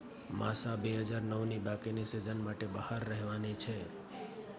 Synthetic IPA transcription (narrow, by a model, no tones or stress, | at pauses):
masabeɦəd͡ʒaɾnəʋnibakinisid͡ʒənmaʈebəhaɾːəɦʋanit͡ʃʰe